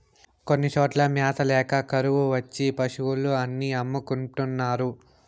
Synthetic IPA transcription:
ko̞nːit͡ʃoːʈlɐmjaːt̪ʰɐlɛːkɐkɐɾuʋuʋɐt͡ʃːipɐʂuwuluɐnːiɐmːukuɳʈunːaːɾu

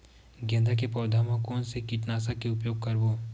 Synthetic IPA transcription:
ɡɛ̃nd̪ʱakepɔːd̪ʱamãkoːnsekiʈnaːsakeʊpjoːɡ̚kɐɾboː

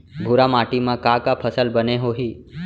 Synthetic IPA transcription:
bʱuɾamaːʈimə̃kakapʰəsəlbəneɦoːɦiː

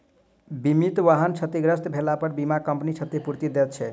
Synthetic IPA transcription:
bimit̪ʋaɦənt͡ʃʰət̪iɡɾəst̪bʱelapəɾbimakəmpnit͡ʃʰət̪epuɾt̪id̪et̪̚t͡ʃʰɛ

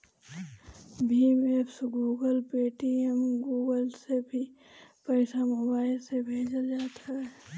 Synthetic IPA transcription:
bʱimepʰsɡuːɡəlpeːʈiemɡuːɡəlsebʱi | pəɪsamobaːɪlsebʱeːd͡ʒəld͡ʒaːt̪aɦɛː

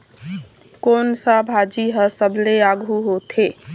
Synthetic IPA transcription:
konsabʱad͡ʒiɦəsəbleaɡʱuɦot̪ʰe

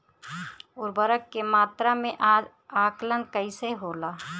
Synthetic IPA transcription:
ʊːɾbəɾəkːemaːt̪ɾamẽʔaːd͡ʒ | aːklənkəiseɦoːlaː

